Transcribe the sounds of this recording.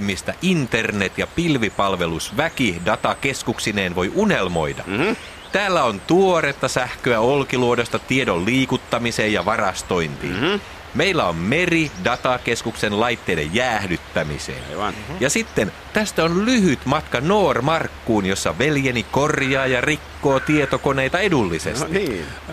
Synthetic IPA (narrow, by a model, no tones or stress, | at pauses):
mist̪æʔint̪ernet̪jɑpilʋipɑlʋe̞lusʋækidɑt̪ɑkeskuksineːnʋo̞jʔunelmo̞̰idɑ̰ | t̪æːlːæont̪uoɾet̪ːɑsæhkøæolkiluodost̪ɑt̪iedolliːkut̪ːɑmiseːjjɑʋɑrɑst̪o̞int̪ḭːn | meilːæo̞mme̞ridɑt̪ɑkeskuksenlɑjt̪ːeːdḛjːæːhdyt̪ːæmḭsḛːnjɑsit̪ːen | t̪æst̪æonlyhyt̪mɑt̪kɑno̞ːrmɑrkːuːnjosːɑʋeljeniko̞rjɑːjɑrikːoːt̪iet̪okone̞jt̪ɑedulːisḛst̪i